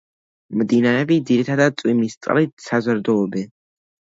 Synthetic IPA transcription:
md̪inaɾɛbid̪ziɾit̪ʰad̪ad̪̚sʼwimist̪ʼqʼlit̪sazəɾd̪ɔɔbɛn

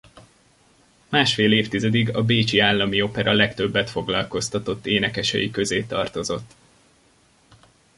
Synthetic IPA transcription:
maːʃfeːleːft̪izɛd̪iɡɒbeːt͡ʃiaːlːɒmio̞pɛɾɒlɛkt̪ø̞bːɛt̪fo̞ɡlɒlko̞st̪ɒt̪o̞t̪ːeːnɛkɛʃɛ̰jikø̞zeːt̪ɒrt̪o̞zo̞t̪ː

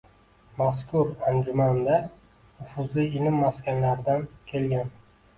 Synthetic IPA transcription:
maskʰʊɾand͡ʒʊmand̪a | nʊfʊzlɪɪlɪmːaskʲanlaɾd̪ankʲʰe̞lɡʲan

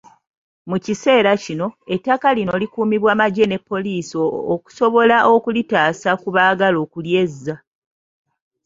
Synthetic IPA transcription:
mucise̞ːɾacino̞e̞tːakalino̞likuːmiβwaːmaɟe̞ne̞pːo̞liːsoːku̥so̞βo̞laʔo̞kulitaːsakuβaːɡalo̞ːkulje̞zːa

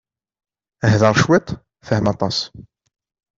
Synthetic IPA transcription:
əɦðɑɾˤʃwɪt̪ˤ | fəhmɑt̪ˤɑs

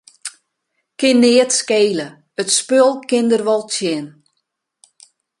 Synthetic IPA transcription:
kɪnːɪətskeːlə | ətspølˠkɪndərʋɔlˠtjɪn

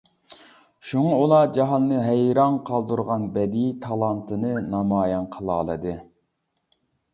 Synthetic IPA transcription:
ʃuŋɑulˠɑd͡ʒɑɦɑnːɨɦɛjɾɑnqʰɑlˠd̪uɾʁɑnbɛd̪it̪ʰɑlˠɑnt̪ʰɨnɨnɑmɑːjɑnqʰəlˠɑːlˠɨd̪ɨ

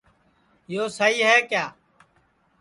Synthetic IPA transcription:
joːsəɦiːɦɛːkjaː

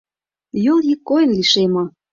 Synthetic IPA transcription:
jolˠjikːojə̆nliʃemo

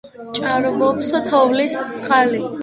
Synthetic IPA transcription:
t͡ʃʼaɾbɔpsɔt̪ʰɔvlist̪sʼqʼali

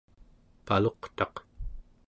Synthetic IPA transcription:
palo̞qt̪ɑq

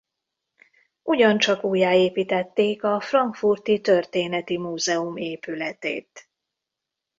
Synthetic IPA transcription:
uɟɒnt͡ʃɒkuːjːaːeːpiːt̪ɛt̪ːeːkɒfrɒŋkfurt̪it̪ø̞rt̪eːnɛt̪imuːzɛumeːpylɛt̪ḛːt̪

